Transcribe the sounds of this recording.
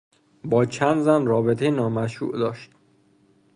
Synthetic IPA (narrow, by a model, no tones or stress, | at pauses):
bɒːt͡ʃʰænd̪zænrɒːbet̪ʰejenɒːmæʃṵːʔd̪ɒːʃt̪